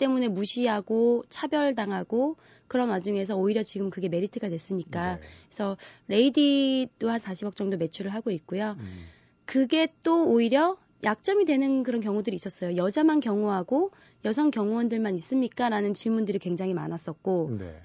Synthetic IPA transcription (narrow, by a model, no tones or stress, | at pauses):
t͈e̞mune̞muɕʰiɦaɡot͡ɕʰabjʌɭdaŋɦaɡo | kɯɾʌnwad͡ʑuŋe̞s̬ʰʌoiɾjʌt͡ɕiɡɯmkɯɡe̞me̞ɾitʰɯɡadwes͈ɯɲik͈aesʰʌɾe̞ididoɦansʰaɕʰibʌk̚t͡ɕ͈ʌŋdome̞t͡ɕʰuɾɯɭɦaɡoik̚k͈ojo | kɯɡe̞t͈oːiɾjʌ | jʔak̚t͡ɕ͈ʌmidwe̞nɯnkɯɾʌnk̬jʌŋudɯɾiːs͈ʌs͈ʌjojʌd͡ʑamankjʌŋuɦaɡo | jʌsʰʌŋkjʌŋuwʌndɯɭmanis͈ɯmɲik͈aɾanɯnt͡ɕiɭmundɯɾikwe̞ŋd͡ʑaŋɦima̰nas͈ʌk̚k͈o̰